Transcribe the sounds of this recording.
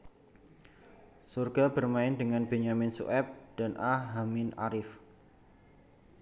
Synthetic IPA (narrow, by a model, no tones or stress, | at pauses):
surɡ̥abərmaɪndəŋanb̥eɲamɪnsṵʔɛp̚d̥anʔaɦamɪna̰ɾɪf